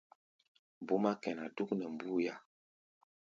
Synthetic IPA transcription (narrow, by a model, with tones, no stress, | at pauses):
bu˦ma˦kɛ˨na˨du˦knɛ˨m˨bu˦ja˦